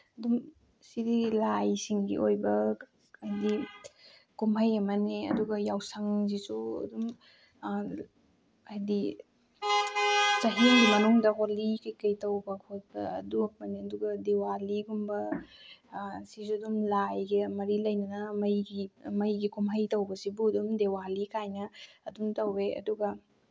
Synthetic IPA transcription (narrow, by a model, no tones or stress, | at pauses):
ɐdum | sidilajsiŋɡḭʔojbɐ | ɐjdi | kumɦɐjɐmɐneɐ̰duɡɐjawsaŋzisuɐ̰dum | ɐjdi | t͡ʃɐɦiŋɡimɐnuŋdɐɦolikɐjkɐjtɐwbɐkʰot̚bɐ̰ɐ̰duɐk̚mɐneɐduɡɐdewaliɡumbɐ | sisuɐdumlajɡemɐɾilɐjnɐnɐmɐjɡimɐjɡikumɦɐjtɐwbɐsibuɐdumdewalikʰajnɐːdumtɐweʔɐ̰duɡɐ